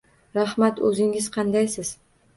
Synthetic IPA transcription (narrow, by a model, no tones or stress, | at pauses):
ɾahmat̪ɵzɪŋɪz̥qʰɑnd̪ajsɪz̥